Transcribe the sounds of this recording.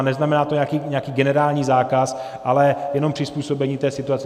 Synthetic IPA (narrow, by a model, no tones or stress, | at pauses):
nɛznamɛnaːt̪oɲɛakiːɲɛakiːɡɛnɛɾaːlɲiːzaːkas | ʔalɛjɛno̞mpr̝̥ɪspuːso̞bɛɲiːt̪ɛːsɪt̪uat͡sɛ